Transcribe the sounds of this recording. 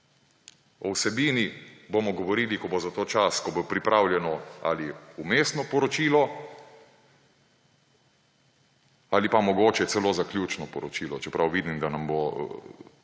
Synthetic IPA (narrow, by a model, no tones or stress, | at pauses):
ɔwsɛbiːniboːmɔɡɔʋɔɾiːlikɔbozat̪oːt͡ʃaskɔbopɾipɾʔawljɛnɔa̰liumeːst̪nɔpɔɾɔt͡ʃiːlɔ | alipamɔɡoːt͡ʃɛt̪sɛloːzaklʲjuːt͡ʃnɔpɔɾɔt͡ʃiːlɔt͡ʃɛpɾawʋiːd̪imd̪anambo